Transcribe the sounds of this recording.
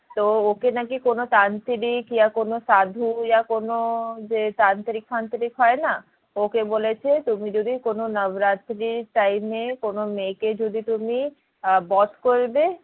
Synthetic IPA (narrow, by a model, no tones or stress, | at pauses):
t̪ookenakikonot̪ant̪ɾikjakonoʃad̪ʱujakonod͡ʑet̪ant̪ɾikfʰant̪ɾikɦɔena | okebolet͡ɕʰet̪umid͡ʑod̪ʱikononəbɾat̪ɾiɾʈajmekonomeked͡ʑod̪ʱit̪umi | bɔt̪koɾbe